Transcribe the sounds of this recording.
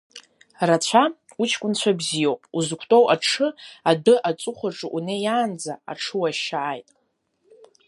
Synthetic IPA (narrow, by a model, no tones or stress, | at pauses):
rat͡ɕʷʰa | ut͡ʃʰkʷʼʊnt͡ɕʷʰabzijowpʼuzkʷʰtʼowʔaʈ͡ʂʰɨadɨʔat͡sʼʊχʷaʈ͡ʂʼɨʔunejaːnd͡zaa̰ʈ͡ʂʰɨwaʃaʔajtʼ